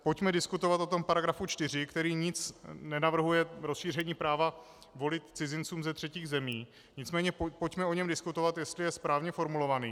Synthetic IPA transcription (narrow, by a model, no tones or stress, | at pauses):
po̞cmɛdɪskut̪o̞vat̪ʔo̞t̪o̞mpaɾaɡɾafut͡ʃt̪ɪr̝ɪkt̪ɛɾiːɲɪt͡snɛnavr̩ɦujɛɾosʃiːr̝ɛɲiːpɾaːva | vo̞lɪt̪t͡sɪzɪnt͡suːmzɛt̪r̝̥ɛciːɣzɛmiː | ɲɪt͡smɛːɲɛpo̞cmɛo̞ɲɛmdɪskut̪o̞vat̪jɛst̪lɪjɛspɾaːvɲɛfo̞ɾmulo̞vaniː